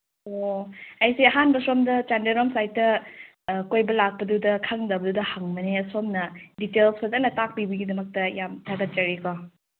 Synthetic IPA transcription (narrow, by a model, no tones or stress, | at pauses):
oɐjseɐɦanbɐsomdɐt͡ʃandeɾomsajtːɐ | kojbɐlak̚pɐdudɐkʰɐŋdɐbɐdudɐhɐŋmɐnesomnɐditelspɐzɐnɐtak̚libɐɡidɐmɐk̚tɐjamtʰaɡɐt̚d͡ʒɐɾiko